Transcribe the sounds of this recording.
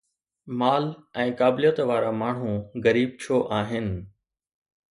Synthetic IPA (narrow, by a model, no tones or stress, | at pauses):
maːlɛ̃ːkaːbɪlijət̪ʋaːɾamaːɳ̤ũɣəɾiːb̚t͡ɕʰoːʔaːɦɪnɪ̆